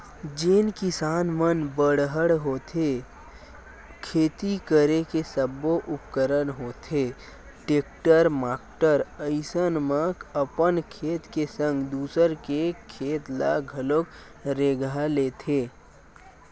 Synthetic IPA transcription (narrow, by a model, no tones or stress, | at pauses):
d͡ʒenkɪsaːnmənbəɽɦəɽɦoːt̪ʰe | kʰeːt̪ikəɾekesəboʔʊpkəɾənɦoːt̪ʰeː | ʈeːk̚ʈəɾmaːkʈəɾəɪsənməkəpənkʰeːt̪kesə̃ŋɡd̪uːsəɾkekʰeːt̪la̰ɡʱəlok | ɾeːɡaleːt̪ʰeː